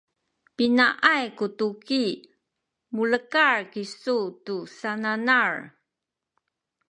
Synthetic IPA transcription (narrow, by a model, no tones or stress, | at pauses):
pinaʔajkutuki | muləkaɹkisutusananaɹ